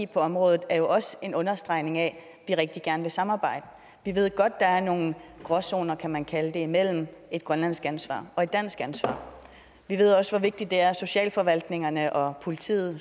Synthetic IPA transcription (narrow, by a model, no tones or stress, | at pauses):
pʰɒ̽ɒ̽mʁɔ̽ːðˠð̩ˠæɐjo̝ʔɒ̽se̝nɔ̽nɐsd̥ʁɑ̈ɪne̝ŋɛ | ʋiʁeɡ̥̚d̥iɡ̥æɐnəʋe̝sɑ̈mɑ̈ːb̥ɑ̈ɪ̰d̥ə | ʋiʋe̝ð̰ˠɡ̥ɒ̽d̥̚ːɑ̈æɐno̝ːŋn̩ɡ̥ʁɒso̝̰ːnɐkʰæmænkʰæləd̥e̝imel̰m̩e̝d̥̚ɡ̥ʁɶnlæn̰sɡ̥ænsʋɑ̰̈ːɒ̽e̝d̥ːæn̰sɡ̥ænsʋɑ̰̈ː | ʋiʋe̝ð̞̰ˠɒ̽sʋɒ̽ʋe̝ɡ̥̚d̥id̥ːe̝æɐso̝ɕɛ̰ːlfɒ̽ʋæl̰d̥ne̝ŋɐnəʔɒ̽pʰo̝lit͡sʰḭːð̩ˠ